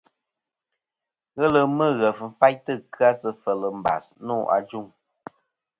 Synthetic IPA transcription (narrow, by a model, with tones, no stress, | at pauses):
ɣə˦lə˨mɨ˦˨ɣə˨fn̩˨fa˦jtɨ˦˨kɰa˦sə˦fə˨lə˨m̩˨ba̰˨snuː˦˨ʔa̰˨d͡ʒu˦˨ŋ